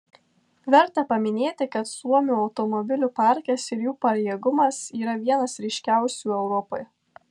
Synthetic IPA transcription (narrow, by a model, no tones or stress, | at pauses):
ʋʲɛɾˑt̪ɐpɐmʲɪnʲeːt̪ʲɪkɐt̪suɔmʲuːɒʊt̪ɔmɔbʲɪlʲuːpɑˑɾʲkʲɛsɪɾjuːpɐɾʲjeːɡʊmɐsiːɾɐʋʲiɛnɐsɾʲɪʃʲkʲæˑʊsʲuːɛʊɾɔpoj